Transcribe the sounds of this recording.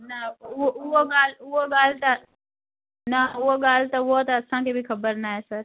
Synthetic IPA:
nɐʊoʊɦoɠaːlʊɦoɠaːl̤t̪ɐ | nɐʊɦoɠaːlt̪ɐʊɦot̪ɐɐsãkʰebʱixɐbəɾnaːɦesɐɾ

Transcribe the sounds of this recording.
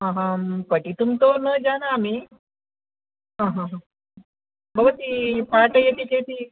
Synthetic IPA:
ɦãɦãpəʈit̪umt̪onəd͡zanaːmi | ɦãɦãɦã | bəbt̪ipaʈəjet̪iket̪i

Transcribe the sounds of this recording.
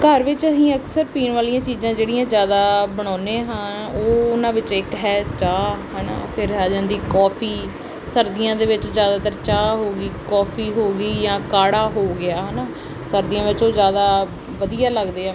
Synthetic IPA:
kəɾʋɪt͡ʃəsĩːəksəɾpiːɳʋaːlijãːt͡ʃiːzãːd͡ʒeːɽijãːzjaːd̪aːbəɽ̃ɔːnẽːɦãː | oːʊnãːʋɪt͡ʃɪkɦɛːt͡ʃaːɦɛːnã̰ːpʰɪɾɦaːd͡ʒãːnd̪iːkɔːpʰiː | səɾd̪ɪjãːd̪eːʋɪt͡ʃzjaːd̪aːt̪əɾt͡ʃaːɦoːɡiːkɔːpʰiːɦoːɡiːjãːkaːɽaːɦoːɡɪaːɦənaː | səɾd̪ɪjãːʋɪt͡ʃoːzjaːd̪aː | ʋəd̪ijaːləɡd̪eːãː

